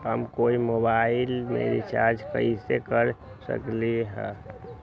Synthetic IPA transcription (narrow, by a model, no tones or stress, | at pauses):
ɦəmkoimobailmḛɾit͡ʃaɾd͡ʒʱkə̰isekəɾsə̰kliɦɛ̰